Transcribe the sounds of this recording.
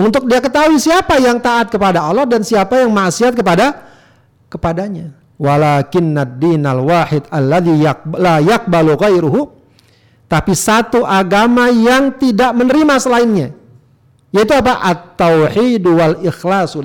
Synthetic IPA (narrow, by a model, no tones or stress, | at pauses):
ʊnt̪ʊk̚diakət̪aɦuisiapajaŋt̪aʔat̪̚kəpadaɑlːɑhdansiapajaŋmaʔsiɦat̪̚kəpada | kəpadaɲa | walakɪnːadːinalwaħɪd̪alːaðijalajaq̚baluɣajɾuɦu | t̪apisat̪uʔaɡamajaŋt̪idaʔmənəɾimasəlaɪnɲa | jait̪̬uap̬aʔat̪ːowħiduwalɪxlas